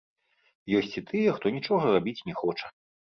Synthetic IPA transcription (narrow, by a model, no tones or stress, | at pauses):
jɔsʲt͡sʲit̪ʰɨjɛxt̪ɔnʲit͡ʂɔɣɐrabʲit͡sʲnʲɛxɔt͡ʂɐ̥